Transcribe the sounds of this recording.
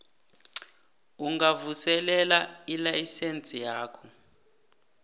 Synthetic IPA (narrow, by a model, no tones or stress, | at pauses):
uŋɡavusɛlɛlailajisent͡sʼijaːkʰɔ